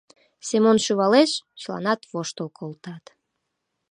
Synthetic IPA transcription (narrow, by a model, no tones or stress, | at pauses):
semonʃyβɑleʃt͡ɕəlɑ̰nɑt̪βoʃt̪əlˠkʰolt̪ɑt̪